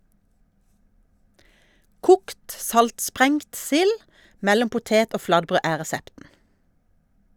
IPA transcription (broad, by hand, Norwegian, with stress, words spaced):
ˈkʊkt ˈsɑltˌspʁɛŋt ˈsɪl ˈmɛlɔm pʊˈteːt ˈoː ˈflɑdˌbʁøː ˈæː ʁɛˈsɛptn̩